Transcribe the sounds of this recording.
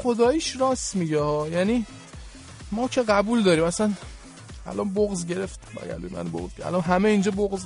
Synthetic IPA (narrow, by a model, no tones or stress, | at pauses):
xo̞d̪ɒːjiʃɾɒːsmiɟɛhɒːjæniː | mɒːcʰe̞ɣæbuːld̪ɒːɾiːmæsæn | ʔæ̰lʔɒnboɣzɟe̞ɾeft̪bæ̰ɡæ̰ld̪ḛmæ̰nbo̰ɣzæ̰lɒnɦæmeind͡ʒɒːboɣz